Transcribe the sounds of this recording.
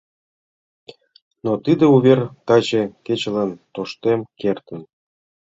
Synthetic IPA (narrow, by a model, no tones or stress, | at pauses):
not̪id̪ĕuβʲert̪ɑʑĕket͡ɕələnt̪oʃt̪emkert̪ə̆n